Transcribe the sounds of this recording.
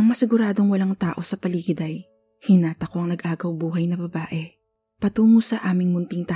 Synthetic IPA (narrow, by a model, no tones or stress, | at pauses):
ʔɐŋmɐsɪɡʊɾaːd̪o̞ŋwɐlaŋt̪aːʔo̞sɐpɐliːɡɪd̪ɐj | hɪnaːt̪ɐko̞ʔɐŋnɐɡʔaːɡɐwbuːɦɐjnɐbɐbaːʔɛ | pɐt̪uːmusɐʔaːmɪŋmʊnt̪ɪŋt̪a